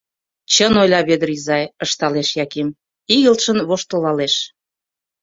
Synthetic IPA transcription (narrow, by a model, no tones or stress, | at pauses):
t͡ɕənojlʲɑβed̪əɾizɑjəʃt̪ɑleʃjɑkem | iɣəlt̪ʃənβoʃt̪olɑleʃ